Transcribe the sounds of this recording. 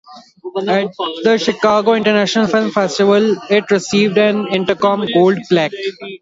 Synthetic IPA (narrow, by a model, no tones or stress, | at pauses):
æʈ̚d̪əʃɪkaːɡoːɪ̃ɳʈəɾnæːʃənəlfɪlmfesʈɪʋəlɪʈɾɪsiːʋɖɛ̃nɪ̃ɳʈəkɔ̃ːmɡoːlɖplæk